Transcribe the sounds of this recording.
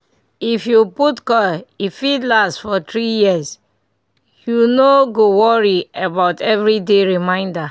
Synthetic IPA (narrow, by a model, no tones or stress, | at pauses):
ifjuputkɔifitlastfɔt̪ɹijiəs | junoɡowɔɹiebaʊtɛvɹideɹimãɪ̃nda